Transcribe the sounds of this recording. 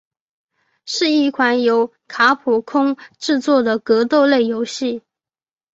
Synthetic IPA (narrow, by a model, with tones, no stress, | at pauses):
ʂɻ̩˥˧i˥˩kʰwa˧˥njo˧˥ʊ | kʰa˧˥pʰu˨˩kʰʊ˥ŋʈ͡ʂɻ̩˥˧t͡swɔ˥˩d̪ə˩kɤ˧˥t̪o˥˧ʊle˥˩ɪjo˧˥ʊɕi˥˩